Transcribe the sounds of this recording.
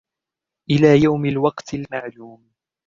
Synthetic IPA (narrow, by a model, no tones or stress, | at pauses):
ʔɪlaːjawmɪlwɑqt̪ɪlmaʕluːm